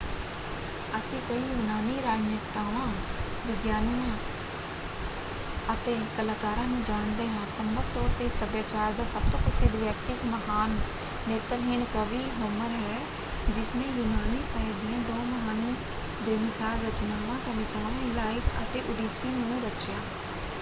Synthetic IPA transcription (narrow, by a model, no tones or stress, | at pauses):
əsĩːkoiːjʊnaːniːɾaːd͡ʒnɪkt̪aːʋãːʋɪɡjaːnːãː | ət̪eːkəlaːkaːɾãːnũːd͡ʒaːɳd̪eːɦãːsəmːəɾt̪ɔːɾt̪eːsəbjaːt͡ʃaːɾd̪aːsəb̚t̪oːpɾəsɪd̪ʋjək̚t̪ɪkməɦaːnː | eːt̪əɾɦɪnkəʋiːɦoːməɾɦɛː | d͡ʒɪsnẽːjʊnaːniːsəːd̪ijãːd̪ɔ̃ːməɦaːniː | d̪oːmɪsaːɾɾət͡ʃnaːʋãːt̪əʋɪːt̪aːʋ̃laːiːpə̰t̪eːʔʊɖiːsiːnũːɾət͡ʃjãː